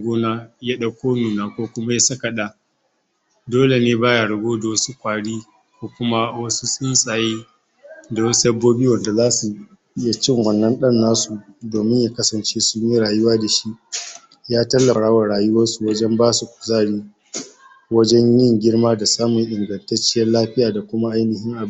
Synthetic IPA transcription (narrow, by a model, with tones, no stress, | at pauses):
ɡʷoː˦naː˦ja˦ɗa˨kʷoː˦nuː˨naː˦kʷoː˦kʷʊ˦ma˦ja˦sɐ˦ka˨ɗa˦ | doː˦le˨neː˦baː˦ja˨ɽʊ˨ɡʷoː˦da˨wɐ˦su˦kʷaː˨ɽiː˦ | kʷoː˦kʷʊ˦ma˦wɐ˦su˦sʼɪ˦nsʼaː˨jeː˦ | da˨wɐ˦su˦dɐ˦bːoː˦biː˦wɐ˨nda˨zaː˦su˨ | ɪ˦ja˨t͡ʃɪ˦ŋwɐ˨nːɐ˦nɗɐ˦nːaː˦su˨doː˨mɪ˦ɲjaː˨kɐ˦sɐ˨nt͡ʃeː˦sʊ˦ɲji˦ɾaː˨jʊ˦waː˦da˨ʃi˦ʔ | jaː˦tɐ˦lːɐ˨ɽaː˦wa˨ɽaː˨jʊ˦wɐ˦nsu˨wɐ˦d͡ʒɛ˦mbaː˦su˨kʷʊ̥˨zaː˦˨ɽiː˦ | wɐ˦d͡ʒɛ˦ɲjɪ˦ŋɡʲɪ˦ɽmaː˦da˨saː˦mʊ˨ŋʔɪ˨ŋɡɐ˨ntɐ˦t͡ʃɪ˦jɐ˦nlaː˦ɸɪ˦jaː˨da˨kʷʊ˦ma˦ʔa˦jnɪ˨hɪ˦ŋʔa˨˦˨